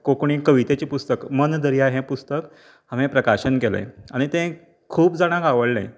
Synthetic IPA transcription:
kokɳikəʋit̪et͡ɕiːpust̪əkmənd̪əɾijaɦẽpust̪ək | ɦãm̤ẽpɾəkaɕənkelḛ̃aɽ̃it̪ẽ | kʰuːpd͡zaɽ̃ãkɡaʋəɭlḛ̃

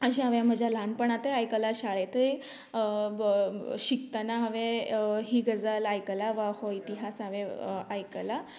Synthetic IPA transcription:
əɕĩaʋjam̤əd͡ʑʱjalanpəɳat̪əajkəlaɕaɭet̪əi | ɕik̚t̪ənaɦəʋeɦiːɡəd͡zalajkəlaʋahoit̪iɦasaʋeajkəla

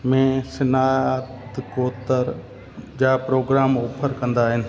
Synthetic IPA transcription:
mẽsɪnaːt̪koːt̪əɾ | d͡ʑaːpɾoːɡɾaːmoːpʰəɾkɐ̃nd̪aːɦɪnɪ̆

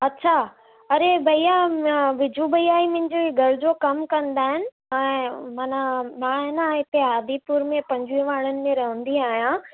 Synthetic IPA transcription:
ɐtːɕʰa | ɐɾebʱɐijaʋɪd͡ʑʱubɐiaːimʊ̃ɪ̃ɲd͡ʑoɡʱɐɾd͡ʑokɐmkɐ̃nd̪aːɦɪnɪ̆ | ɛ̃ːmaːnamãːɦɪnaɦɪt̪eaːd̪ipuːɾmẽpɐ̃ɲd͡ʑʱuiʋaːɽənɪ̆mẽɾɐɦə̃nd̪iaːɦijã

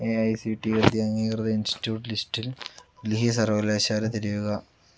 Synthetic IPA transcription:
eɐjsiʈːiɐrd̪jaɐŋiːkrɐðɐinsi̥tjuːʈlistilliɦisɐrʋɐlaːɕaːlɐt̪eɾijuɣɐ

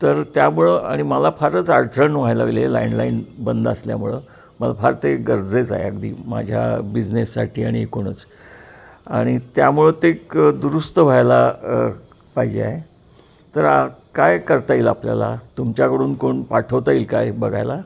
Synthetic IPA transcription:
t̪əɾt̪jamuɭəaɽ̃iməlafaɾət͡saɽt̪ʰɾəɳʋ̤ajlaɡlela̰inlainbənd̪əslja̰muɭə | məlafaɾt̪eɡəɾd͡zet͡sa̰ɦeə̰ɡd̪ḭːma̰d͡ʑʱja̰bid͡ʑnesːaʈʰiːaɽ̃iekoɽ̃ə̰t͡s | aɽ̃it̪jamuɭət̪ekd̪uɾust̪əʋ̤ʱajla | paɦid͡ʑḛa̰ɦe | t̪əɾakajkəɾt̪aiːlaplja̰la̰t̪umt͡ɕjakəɽuːnkoɳpaʈʰəʋt̪aiːlkajbəɡʱajla

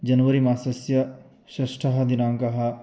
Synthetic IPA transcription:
d͡ʒɐnʋɐɾimaːsɐsjɐ | ʃɐʃʈʰɐɦɐd̪inaːmkɐɦɐ

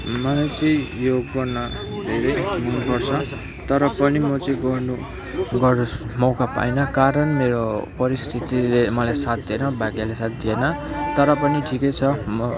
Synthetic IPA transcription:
mʌlajt͡sʌ̃ĩjoɡɡʌrnʌ | d̪ʱeɾejmunupʌrt͡sʰʌ | t̪ʌɾʌpʌnimʌt͡sʌĩɡʌrnu | ɡʌrmʌwkapa̰jnʌkaɾʌnmeɾopʌɾist̪ʰit̪ilemʌlajsat̪̚d̪enʌbʱaɡjalesat̪̚d̪ienʌ | t̪ʌɾʌpʌniʈʰikʌjt͡sʰʌmʌ

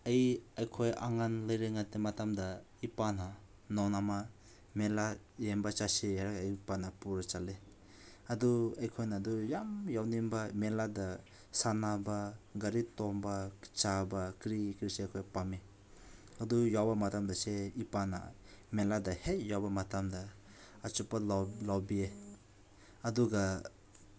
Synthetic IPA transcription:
ɐjajkʰojʔa̰ŋanlɐjɾeŋatematamdɐ | ipana | nɔnama | mela | jembat͡ʃasijaɾakajpanapuɾat͡ʃale | ɐduajkʰojnaːdujamjawnimbamelada | sanabaɡɐɾitɔmbat͡ʃabakɾikɾiseajkʰɔjpame | ɐdujawbɐmatamdaseipana̰ | meladahejawbamatamdɐː | t͡ʃupalawbie | ɐduɡa

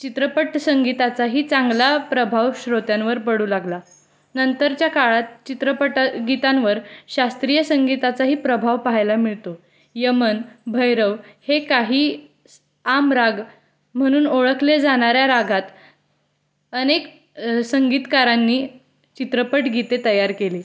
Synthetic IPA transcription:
t͡ɕit̪ɾəpəʈsəŋɡit̪at͡saɦiːt͡sãŋɡlapɾəbʱaʋɕɾot̪jãnʋəɾpəɽuːlaɡla | nənt̪əɾt͡ɕjakaɭat̪̚t͡ɕit̪ɾəpəʈaɡit̪ãnʋəɾɕast̪ɾijəsəŋɡit̪at͡saɦiːpɾəbʱaʋpaɦajlamiɭt̪o | jəmənbʱəjɾəʋhekaɦiː | amɾaɡ | m̤əɽ̃uːnoɭəkʰled͡zaɽ̃aɾjaɾaɡʱat̪ | ənek | səŋɡiːt̪kaɾanːiː | t͡ɕit̪ɾəpəʈɡit̪et̪əjaɾkeliː

